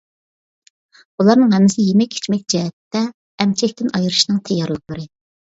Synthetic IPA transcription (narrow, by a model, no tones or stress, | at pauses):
ulˠɑɾnɨŋɦɛmːɪsɪjemɛkʲʰːe̥t͡ʃmɛk̚ʲd͡ʒɛɦɛt̪ːɛː | mt͡ʃʰɛkʲt̪ɪnɑjɨɾɨʃinɨŋt̪ʰɛjːɑɾlˠəq̚boɾɨ